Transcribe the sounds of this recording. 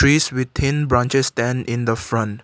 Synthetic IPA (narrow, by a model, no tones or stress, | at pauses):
ɹiːswɪt̪ʰĩnbɹãnt͡ʃɛstɛ̃nɪ̃nd̪əfɹʌ̃nt